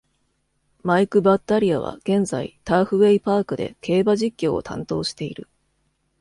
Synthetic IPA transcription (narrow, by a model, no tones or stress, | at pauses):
maikɯ̟bat̪ːaɾʲiaβ̞a̰ɡ̥ẽ̞nza̰ḭt̪aːɸɯ̟βe̞ipaːkɯ̟d̪e̞̰kʰe̞ːbaʑikʲːo̞̰ːt̪ʰã̰nt̪o̞ːɕi̥t̪e̞ḭɾɯ̟